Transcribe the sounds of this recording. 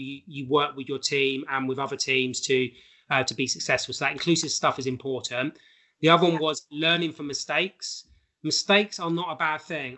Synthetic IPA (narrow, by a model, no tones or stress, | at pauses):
jəwɜˑkwɪðjətʰĩːmə̃nwɪðʌðətʰĩːmz̥tʰə | ʌtʰəbisəksɛsfəlˠsəðətɪ̃nkʰl̥ʉːˑsɪv̥stʌfɪzɪ̃mpʰɔˑʔn̩ | ðiʌðəwʌ̃nwɒzlɜːnɪ̃ŋfə̃mɪsteɪks | mɪsteɪksənətəbad̪̥̚θɪ̃ŋ